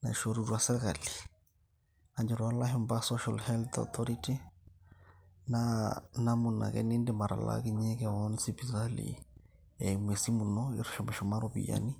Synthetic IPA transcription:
na̰ʃɔɾuɾwasɛɣali | aɲd͡ʒɛɾwalaɦɛmbasɔʃalhɛlt̪ɔ̰θɔɾiti | nanamuna̰kɛ̰nindɛmaɾa̰la̰kiɲɛkɛɔnsipisalḭ | ɛmwɛsimunɔiɾuʃɔmɛʃɔmaɾopḭja̰ni

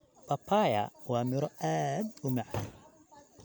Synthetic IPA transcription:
bʰɐpʰaːjɐ̰wɑːmɪɾɔʔaːd̪ʊmaʕa̰ːn

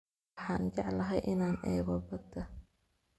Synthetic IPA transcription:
ħɑːnt͡ʃɑʕlɐɦɛjʔɪnaːnʔɛ̰ːɣɔbɐd̪ɐ

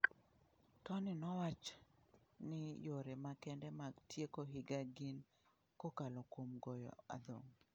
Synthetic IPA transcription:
tɔnɪnɔwat͡ʃ | nɪjoɾɛmakɛndɛmaɡtʰjekoɦɪɡaɡin | kokalokomɡɔjɔ̰a̰d̪o̰ŋ

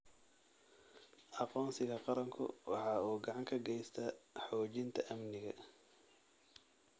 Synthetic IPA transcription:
ʔɑqɔːnsɪɣɐqɑɾɐŋkʰʊ̰wɑ̰ħɑːuːɡɑʕɑŋkʰɐɡɛjst̪ʰɐħɔːt͡ʃɪnt̪ʰɐʔɐmnɪɣɐ̰

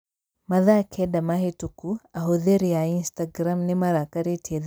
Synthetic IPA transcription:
maðakʰɛdamaɦetukuaɦoðeɾiainstaɡɾamnimaɾakaɾetʰied

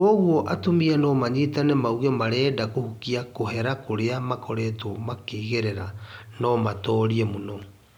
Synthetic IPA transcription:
ɔɣwɔʔatomianɔmaɲitanemauɣemaɾɛːdakohukiakoɦɛɾakoɾeamakʰɔɾɛtomakeiɣeɾɛɾa | nɔmatɔːɾiɛmonɔ

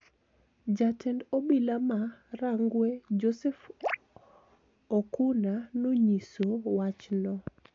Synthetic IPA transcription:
d͡ʒatʰɛndobilamaraŋɡwed͡ʒosɛf | okunanoɲisowat͡ʃnɔ

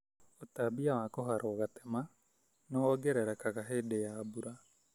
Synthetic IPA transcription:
otabiawakoɦaɾʔoɣatema | noɔɡeɾeɾakaɣaɦeːdejaːbuɾa

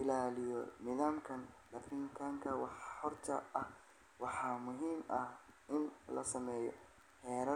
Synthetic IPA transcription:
ɪlaːlɪjɔnɪðaːmkʰɐndɐfɪŋkʰaŋkʰɐwɑħhɔrt̪ʰɐɐh | wɑħɑːmʊɦiːmɐh | ɪnlɐ̰sɐmɛːjɔ̰ | ħɛːɾɐ

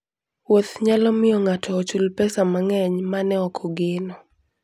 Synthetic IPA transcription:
wot̪ɲalɔmɪjɔŋatʰɔːt͡ʃulpɛsamaŋɛɲmanɛɔkʰɔɡɪnɔ

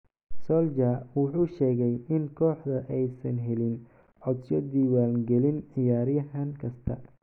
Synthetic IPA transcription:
sɔld͡ʒawʊħuːʃɛːɣɛjɪnkʰɔːħd̪ɐʔɛjsɐnɦɛlɪn | ʕɔd̪sɔd̪iːwaːlɡɛlɪnʕɪjaːɾjɐɦaŋkʰɐst̪ʰɐ̰

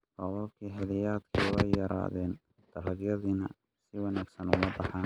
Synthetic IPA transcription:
rɑβɔbkʰiːħɪlɪjaːd̪kʰiɛjjɐɾa̰ːðɛːn | d̪̥ɐlɐɡjɐðinɐ | sɪwɑnæːɡsɐnʊ̰mɐbɑħaːn

